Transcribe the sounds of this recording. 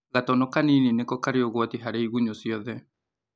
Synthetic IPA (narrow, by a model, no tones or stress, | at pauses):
ɣatɔnɔkanininekɔkaɾeoɣwatiɦaɾeiɣuɲosiɔðɛ